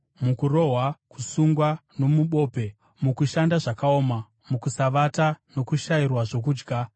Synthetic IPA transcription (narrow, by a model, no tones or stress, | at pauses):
mukuro̞ɦwakusuŋɡwano̞muɓo̞ːpe̞ | mukuʃandaʐakao̞ːma | mukusaʋatano̞kuʃairwaʐo̞k̬uːd͡ʒɡʱa